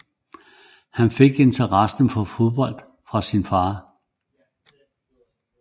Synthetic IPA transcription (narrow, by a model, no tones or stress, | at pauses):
hænfe̝ɡ̥e̝nt͡sʰɐʁɑsn̩fɒ̽fo̝ðˠb̥ɒ̽l̰d̥ | fʁɑ̈sinfɑ̈ː